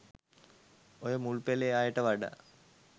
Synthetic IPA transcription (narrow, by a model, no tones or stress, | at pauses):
ojəmulpeleaːjəʈəʋaɖa̰